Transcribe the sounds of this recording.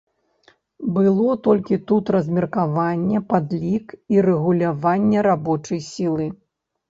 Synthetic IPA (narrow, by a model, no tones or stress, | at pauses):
bɨlˠɔt̪ɔlʲkʲit̪ut̪ɾɐzʲmʲɛrkavanʲːɛpad̪lʲikiɾɛɣulʲavanʲːɛɾabɔt͡ʂɐjsʲilˠɨ